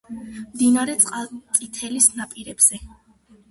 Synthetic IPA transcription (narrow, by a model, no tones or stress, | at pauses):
md̪inaɾɛt̪sʼqʼalˠt̪sʼit̪ʰɛlisnapʼiɾɛb̥z̥ɛ